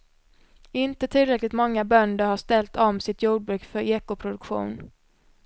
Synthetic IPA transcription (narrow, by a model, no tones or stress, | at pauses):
ɪnt̪ət̪ʰɪlːɾɛklɪt̪mɔŋːabœnd̪əɾhaʂt̪ɛlt̪ɔmsɪt̪juːɖ̚bɾʉ̟ːkfœɾeːkʊpʰɾʊd̪ɵkɧṵːn